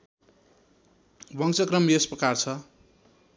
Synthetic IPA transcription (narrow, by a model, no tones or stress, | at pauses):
bʌŋsʌkrʌmesprʌkart͡sʰʌ